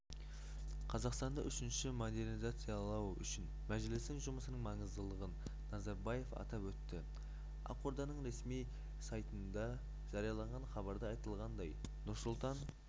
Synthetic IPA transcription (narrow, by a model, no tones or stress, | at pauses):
qʰɑzɑqst̪ɑnd̪ɑʔʏʃɪnʃɪmod̪e̞ɾnizat̪sɨjɑlˠɑwʏ̰ʃɪn | mæʒɪlɪst̪ɪŋʒʊməsənəɴŋmɑɴəzd̪əlˠəʁənː | ɑzɑɾbɑje̞fɑ̰t̪ɑpwɵt̪ːɪ | ɑ̰qoɾd̪ɑnəɴɾe̞smij | sɑjt̪ənd̪ɑ | ʒ̥ɑɾijɑlˠɑɴʁɑnχɑbɑɾd̪əɑjt̪əlˠʁɑnd̪ɑj | nʊɾsʊlˠt̪ɑn